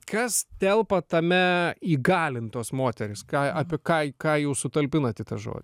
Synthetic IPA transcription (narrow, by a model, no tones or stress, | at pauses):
kɐst̪ʲɛlˠpɐt̪ɐmʲɛiːɡɑːlʲɪnt̪uɔsmoːt̪ʲɛɾʲɪskɑːɑːpʲɪkɑːkɑːjɛʊsʊt̪ɐlʲpʲɪnɐt̪ʲɪt̪ɐʒo̰ːd̪ʲ